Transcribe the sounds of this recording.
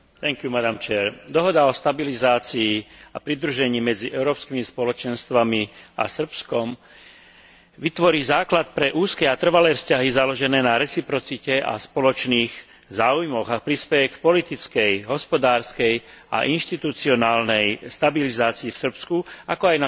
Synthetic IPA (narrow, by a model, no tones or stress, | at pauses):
t̪ɛŋkjumad̪amt͡ʃɛɾd̪ɔɦɔd̪aɔst̪abilizaːt͡siːa̰pɾid̪ɾuʒɛɲiːmɛd͡ziʔɛʊɾɔːpskimispɔlɔt͡ʃɛnst̪ʋamia̰sr̩pskɔm | ʋit̪ʋɔɾiːzaːklat̪pɾɛʔuːskɛat̪r̩ʋalɛːfscaɦizalɔʒɛnɛːnaɾɛt͡sipɾɔt͡sicɛa̰spɔlɔt͡ʃniːɣ | zaːujmɔɣapɾispɛjɛkpɔlit̪it͡skɛjɦɔspɔd̪aːɾskɛja̰ʔinʃt̪it̪ut͡siɔnaːlnɛjst̪abilizaːt͡siːfsr̩pskuakɔajna